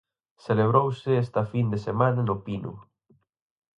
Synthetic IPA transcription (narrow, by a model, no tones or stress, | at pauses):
seleβ̞ɾowsɪest̪ɐfind̪esemanɐnʊpinʊ̰